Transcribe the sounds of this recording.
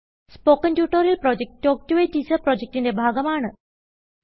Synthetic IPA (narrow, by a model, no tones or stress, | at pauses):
spokəntjuːʈoɾilpɾɔd͡ʑek̚ʈːok̚ʈuʋeʈisəpɾɔd͡ʑek̚ʈindebʱaɡɐmaːɳə